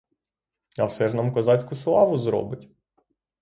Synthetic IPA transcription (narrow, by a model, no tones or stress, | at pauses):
ɐwsɛʒnɑmkɔzɑt͡sʲkʊslˠɑʋʊzɾɔ̰bɪtʲ